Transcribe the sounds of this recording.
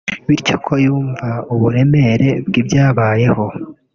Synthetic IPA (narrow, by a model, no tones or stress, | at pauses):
βiɾco̞kʰo̞juːɱvauβuɾe̞me̞ɾe̞bɡibjaːβaːje̞ho̞